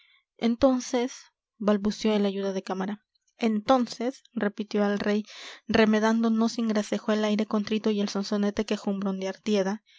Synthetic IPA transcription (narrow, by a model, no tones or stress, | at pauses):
ḛnt̪o̞nse̞s | balβusjo̞elaʝuðaðe̞kamaɾa | e̞nt̪o̞nse̞sre̞pit̪jo̞alre̞jre̞me̞ðand̪o̞no̞siŋɡɾase̞xoelajɾe̞ko̞nt̪ɾit̪o̞ie̞lso̞nsone̞t̪e̞ke̞xumbɾo̞nd̪eaɾt̪je̞ða